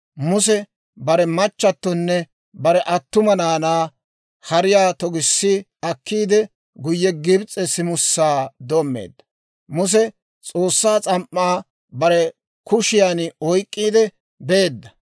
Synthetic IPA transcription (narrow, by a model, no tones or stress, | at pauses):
mʊs̬ɛ | bɐɾɛmɐt͡ʃːɐt̪ːɔnːɛ | bɐɾɛʔɐt̪ːʊmɐnaːnaː | hɐɾɪjaːt̪ɔɡɪsːɪ | ɐkʰːiːd̪ɛ | ɡʊjːɛɡɪbt͡sʼɛsɪmʊsːaːd̪oːmːḛːd̪ːɐ | mʊs̬ɛ | t͡sʼo̞ːsːaːt͡sʼɐmʔːaː | bɐɾɛ | kʊʃɪjanɔjkʼːiːd̪ɛ | beːd̪ːɐ